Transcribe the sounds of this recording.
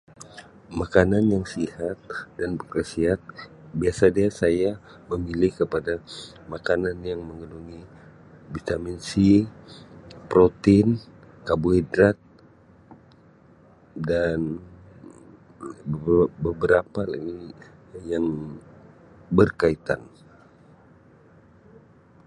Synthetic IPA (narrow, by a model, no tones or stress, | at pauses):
makananjaŋsihat̪̚danbəkəsiɦat̪̚ | biasadiasaja | məmilɪhkəpada | makananjaŋməŋənuŋi | vit̪aminsi | pɾot̪ɪn | kabuidɾat̪̚ | dan | bəbəɾapalinijaŋ | bərkait̪a̰n